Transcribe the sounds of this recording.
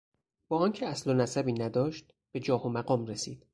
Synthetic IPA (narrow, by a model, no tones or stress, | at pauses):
b̥ɒːɒːncʰeæslonæsæbiːnæd̪ɒːʃt̪̚ | b̥e̞d͡ʒɒːhomæɢɒːmɾesiːd̪̥